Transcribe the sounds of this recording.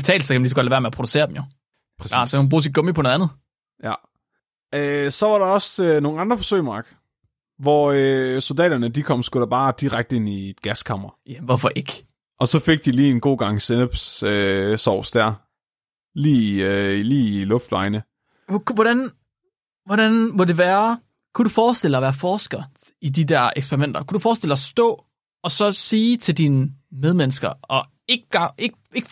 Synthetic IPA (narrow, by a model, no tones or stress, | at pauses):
b̥t͡sʰɛ̰ːl̩sɐkʰæmænlis̬ɡ̥ɒ̽d̥læʋæɐmeɐpʰʁod̥use̝̰ːɐd̥em̩jo̝ | pʰʁɐssɒkʰæhnb̥ʁṵːs̬id̚ɡ̥ɔmipʰɔnoðˠænð̩ˠ | jæ | øsɒ̽ʋɑ̈ɾɑ̈ɒ̽søno̝ːn̩ɑ̈nd̥ʁɐfɒ̽søɪ̰mɑ̈ːɡ̥ | ʋɒøso̝ld̥ɛ̰ːdɐnəd̥ikʰɒ̽m̰sɡ̥uɾ̥ɑb̥ɑ̈ːd̥iʁaɡ̥̚d̥əe̝nied̥ɡ̥æskʰɑ̈mʁɐʋɔfɒʔe̝ɡ̥ | ʔɒ̽sɒ̽fe̝ɡ̥̚d̥iliːe̝nɡ̥o̝̰ːɡ̥ɑ̈ŋ̰senb̥søsɒʊ̰sd̥æɐ̰ | liːliːilɔ̽fd̥ʋɑ̈ɪnə | kuʋɒɾæn | ʋɒdænʋɒd̥e̝ʋæːɐ | kʰud̥ufɒːsd̥el̰ɑɒʋæːɐfɒːsɡ̥ɐ | id̥id̥æɐ̰ʔeɡ̥spʰeɐʁimen̰d̥ɐkʰud̥ufɒːsd̥eld̥ɑsd̥ɔ̰̽ː | ɒ̽sɒ̽siːt͡sʰe̝ld̥inəmeðˠmensɡ̥ɐɒ̽ | e̝ɡ̥ɡ̥ɑʔeɡ̥ | e̝ɡ̥